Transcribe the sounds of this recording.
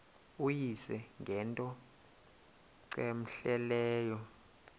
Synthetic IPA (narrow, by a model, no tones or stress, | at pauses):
ujisɛŋɡʱɛntʼɔ | ǀem̩ɬɛlɛːjɔ